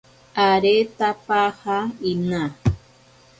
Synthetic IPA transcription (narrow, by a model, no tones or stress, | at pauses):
aɾet̪apahaina